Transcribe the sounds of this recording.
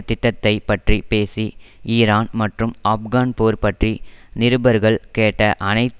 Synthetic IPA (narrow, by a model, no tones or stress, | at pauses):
t̪ɪʈːɐt̪ːɐɪpːɐʈripeːsiiːɾaːnmɐʈrɯmɐp̚ɣaːnpoːɾpɐʈrinɪɾɯbɐɾɣɐɭkeːʈːɐʔɐnɐɪt̪